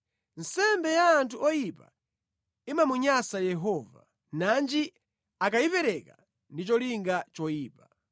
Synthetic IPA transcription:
n̩sɛmbɛjaːntʰuɔjipa̰ | imamuɲasajɛɦɔːva̰ | nand͡ʒi | akaipɛɾɛka | ndit͡ʃɔliŋɡat͡ʃɔjiːpa

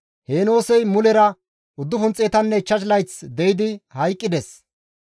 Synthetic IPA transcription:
heːno̞ːsɛjmʊlɛɾɐ | ʊd̪ːʊfʊnt͡sʼeːt̪ɐnːɛt͡ʃːɐʃlɐjt͡sd̪ɛjɪd̪ɪhɐjkʼːɪd̪ɛs

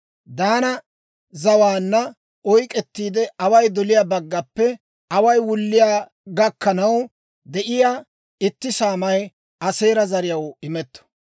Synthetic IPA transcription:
d̪aːnɐ | zɐwaːnːɐ | ɔjkʼɛt̪ːiːd̪ɛʔɐwɐjd̪ɔlɪjaːbɐɡːɐpːɛ | ʔɐwɐjwʊlːɪjaː | ɡɐkːɐnɐw | d̪ɛʔɪjaː | ɪt̪ːɪsaːmɐj | ɐse̞ːɾɐzɐɾɪjɐwɪmɛt̪ːɔ̥

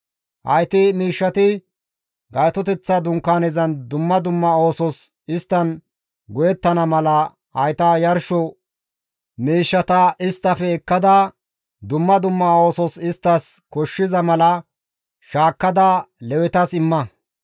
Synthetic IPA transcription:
hɐ̰jt̪ɪmiːʃːɐt̪ɪ | ɡɐjt̪ɔt̪ɛt͡sːɐd̪ʊŋkːaːnɛzɐnd̪ʊmːɐd̪ʊmːɐo̞ːsɔs | ɪst̪ːɐn | ɡɔjɛt̪ːɐnɐmɐlɐ | ɐjt̪ɐjɐɾʃɔ | miːʃːɐt̪ɐɪst̪ːɐfɛɛkːɐd̪ɐ | d̪ʊmːɐd̪ʊmːɐo̞ːsɔsɪst̪ːɐskɔʃːɪzɐmɐlɐ | ʃaːkːɐd̪ɐlɛwɛt̪ɐsɪmːɐ

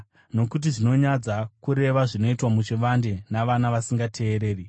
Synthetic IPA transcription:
no̞kut̬iʐino̞ɲad͡zakuɾe̞ʋaʐino̞itwamut͡ʃiʋande̞naʋanaʋasiŋɡatʰe̞ːɾe̞ːri

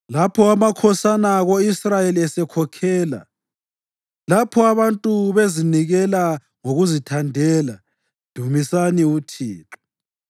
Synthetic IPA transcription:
lapʰɔamakʰɔsanaɣoisrajeliɛsɛkʰɔkʰɛːla̰ | lapʰɔaβantʼuβeziniɣɛla | ŋoɣuzitʰandʱɛːla | d̥ʱumisaniutʰḭːǁɔ̥

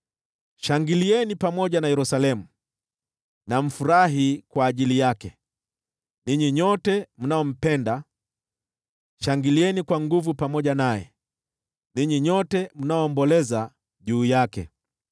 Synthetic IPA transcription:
ʃaŋɡiliɛnipamɔʄanajɛɾusalɛmu | nam̩fuɾaɦikwaːʄilijakɛ | niɲiɲɔtɛmunaɔm̩pɛnda | ʃaŋɡiliɛnikwaŋɡuvupamɔʄanajɛ̰ | niɲiɲɔtɛm̩naɔːmbɔlɛza | ʄuːjakɛ̰

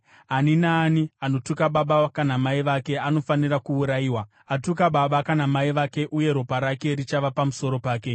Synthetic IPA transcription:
ɦaninaːniano̞tukaɓaɓakanamaiʋake̞ano̞fanirakuuɾajiːwa | atukaɓaɓakanamaiʋake̞ʔuje̞ɾopaɾake̞ɾit͡ʃaʋapamuso̞ɾo̞paːke̞

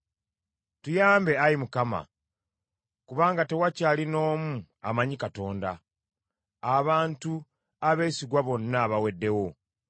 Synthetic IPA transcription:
tujaːmbe̞ajimukama̰ | kuβaːŋɡate̞wacaːlino̞ːmu | a̰maɲikato̞ːnda̰ | aβaːntu | aβe̞ːsiɡwaβo̞nːaːβawe̞dːe̞wo̞

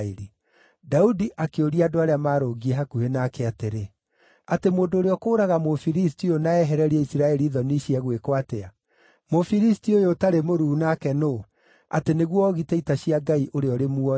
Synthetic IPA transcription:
eɾi | daudiʔakeoɾiadoaɾeamaːɾoɣiɛɦakuhenakɛateɾe | atemoːndoːɾeɔkoːɾaɣamofiɾistionaɛɦɛɾɛɾiɛisiɾaɛɾiðɔniʃiɛɣwekoatea | mofiɾistiojotaɾemoɾuːnakɛno | a̰teneɣwɔɣitɛitaɕiaɡaiʔoɾeɔɾemuɔ

